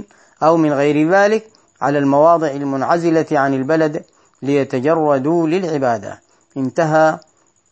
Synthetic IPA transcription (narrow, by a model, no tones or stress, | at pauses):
ʔawmɪnɣajɾðaːlɪk | ʕa̰lalmɑwɑːd̪ˤɨʕalmʊnʕazɪlaʕanalbalad̪ | lɪjat̪ad͡ʒɑrˤːɑd̪ulɪlʕɪbaːd̪a̰ | ʔɪnt̪aɦa